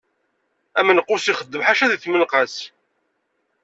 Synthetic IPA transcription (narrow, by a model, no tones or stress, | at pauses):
æmənqːʊsiχəd̪ːəmħaʃæðəθmənqɑs